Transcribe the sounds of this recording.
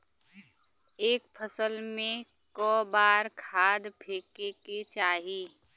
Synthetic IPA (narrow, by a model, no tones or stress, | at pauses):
eːkpʰəsəlmẽkɔːbaːɾkʰaːd̪pʰeːkeket͡ʃaːɦiː